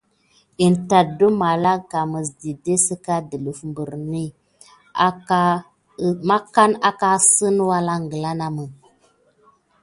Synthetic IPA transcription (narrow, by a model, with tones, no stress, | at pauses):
i˨nta˨du˦ma˨la˦ka˨mə˨sdi˨de˦sə˦ka˦də˨lu˨fmbə˨ɾni˦ | a˦ | ma˦ka˦na˦ka˦sə˦nwa˦la˦ŋɡə˨la˦na˦mə˨